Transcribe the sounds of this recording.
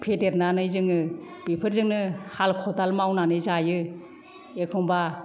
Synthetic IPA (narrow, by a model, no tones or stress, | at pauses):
pʰetet̚nanɯjzɯŋɯb̥ipʰɯɾzɯŋnɯhalkʰɔtalmawnanɯjzajɯ | ekʰɯŋba